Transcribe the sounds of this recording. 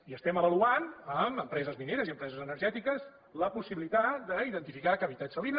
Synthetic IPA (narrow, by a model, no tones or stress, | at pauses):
iəst̪ɛməβəluanəməmpɾɛzəzmineɾəziəmpɾɛzəzənəɾʒɛt̪ikəz | ləpusiβilit̪at̪d̪əiðənt̪ifikakəβit̪at̪səlin